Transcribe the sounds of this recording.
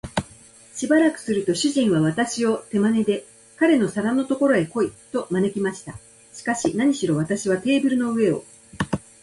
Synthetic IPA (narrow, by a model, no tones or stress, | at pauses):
ɕibaɾakɯ̟̥sɨɾɯ̟t̪o̞ɕɨʑĩɰ̃βaβ̞at̪aɕio̞t̪e̞mane̞d̪e̞ | kaɾe̞no̞saɾano̞t̪o̞ko̞ɾo̞e̞ko̞it̪o̞mane̞kʲimaɕi̥t̪a | ɕi̥kaɕinaɲ̟iɕiɾo̞β̞at̪aɕiβ̞at̪e̞ːbɯ̟ɾɯ̟no̞ɯ̟e̞o̞̰